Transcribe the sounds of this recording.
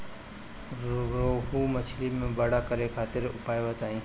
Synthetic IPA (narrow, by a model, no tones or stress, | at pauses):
ɾoːɦuːmət͡ʃʰliːmẽːbəɽaːkəɾekʰaːt̪ɪɾʊpaːjʋət̪aːĩː